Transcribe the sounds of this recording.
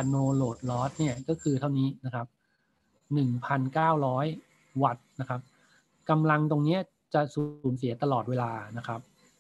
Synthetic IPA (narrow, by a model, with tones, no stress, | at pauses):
a˧noː˧loː˨˩t̪̚lɔː˦˥t̪̚ni˥˩ɐkɔː˥˩kʰɯː˧t̪ʰa˥˩wniː˦˥na˦˥kʰa˦˥p̚ | nɯ˨˩ŋpʰa˧nkaː˥˩wɾɔː˦˥j | wa˨˩t̪̚na˦˥kʰa˦˥p̚ | ka˧mla˧ŋt̪o˧ŋni˦˥ɐ | t͡ɕa˨˩suː˨˩˦ms̬i˩˦ɐt̪a˧lɔː˨˩weː˧laː˧na˦˥kʰa˦˥p̚